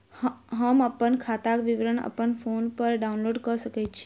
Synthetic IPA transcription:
ɦəməpənkʰat̪akʋiʋɾəɳə̰pənpʰoːnpəɾɖaunloːɖkəsəkɛtt͡ʃʰi̥

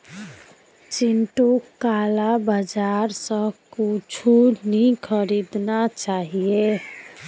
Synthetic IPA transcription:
t͡ʃinʈukalabəd͡ʒaɾsə̃kut͡ʃʰunikʰəɾid̪nat͡ʃaːɦije

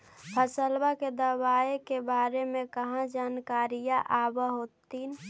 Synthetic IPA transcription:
bʰʱəsəlbaked̪əbaekebaːɾemẽkəɦãd͡ʒaːnkaɾijaʔabəɦot̪in

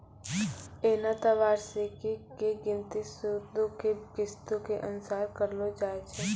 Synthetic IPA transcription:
eːnat̪əʋaːɾsekikeɡɪ̃nt̪isud̪okekɪst̪õkeʔənsaːɾkəɾlod͡ʒaːet͡ʃʰe

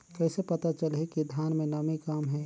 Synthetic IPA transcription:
kɛːsepɐt̪at͡ʃəlɦekid̪ʱjaːnmẽnɐmikaːmɦɛ

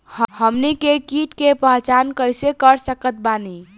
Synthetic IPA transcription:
hhəmnikekiʈkepəɦt͡ʃankəjsekəɾsəkət̪̚bani

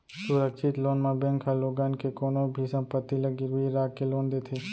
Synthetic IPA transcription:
sʊɾəkʃɪt̪loːnmãbẽŋkʰaloːɡaːnkekoːnõbʱisə̃mpət̪ːiləɡiʋiɾaːkeloːnd̪eːt̪ʰeː

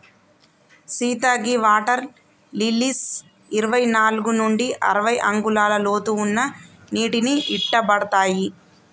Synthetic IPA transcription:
siːt̪aːɡiʋaːʈɐɾ | lilis | iɾɐʋɐjnaːluɡunuɳɖiʔɐ̰ɾɐʋɐjʔɐŋɡulaːlɐloːt̪uːnːɐ | niːʈiniiʈːɐbɐɽɐt̪aːji

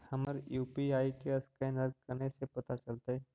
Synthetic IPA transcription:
hɐməɾjuːpiaːikeɐskɛ̃nəɾkɐɾnesepɐt̪at͡ʃɐlt̪aɦɛː

